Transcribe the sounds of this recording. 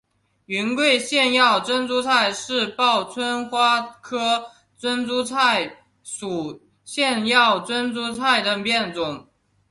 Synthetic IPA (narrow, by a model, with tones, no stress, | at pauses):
y˧˥nkwe˥˧ɪɕjɛ˥˧njɑ˥˩ʊt͡swə˥nt͡su˥t͡sʰa˥˧ɪʂɻ̩˥˧pɑ˥˩ʊt͡sʰwə˥nxwa˥kʰɤ˥ | t͡swə˥nt͡su˥t͡sʰa˥˩ɪ | ʂu˨˩ | ɕjɛ˥˧njɑ˥˩ʊt͡swə˥nt͡su˥t͡sʰa˥˩ɪd̪ə˨pjɛ˥˩nt͡sʊ˨˩˦ŋ